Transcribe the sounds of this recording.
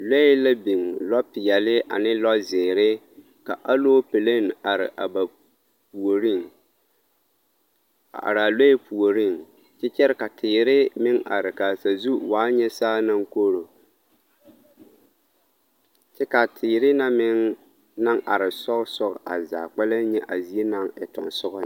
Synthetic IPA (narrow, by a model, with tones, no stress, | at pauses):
le˦ɪ˦la˦bi˨ŋlɔ˦pɪ˨jɛ˨lɪ˦ʔa̰˨nɪ˦lɔ˦zɪː˨ɾɪ˦ | ka˨ʔa˦loː˦pe˨le˦n˨a˨ɾɪ̰˨ʔa̰˨ba˨ | pu˨o˨ɾi˦ŋ | a̰˨ʔa̰˨ɾɪ˨a˨le˦ɪ˦pu˨o˨ɾɪ˦˨ŋ | t͡ʃɪ˦t͡ʃɛ˦ɾɪ˦ka˨tʰɪː˨ɾɪ˦mɪ˦ŋa̰˨ɾɪ˨ka˨sa˨zu˦waː˨˦ɲɛ˦saː˦na˦ŋko˦ɾo˨ | t͡ʃɛ˦ka˨tʰɪː˨ɾɪ˦na˦mɪ˦ŋ | na˦ŋʔa˨ɾɪ˨sɔ˦ɣsɔ˦ɣʔa̰˨za̰ː˨k͡pɛ˦la˦ɲɛ˦ʔa˨zi˨e˦na˦ŋɪ˨tɔ̰˨nsʊ˦ɣɔ˦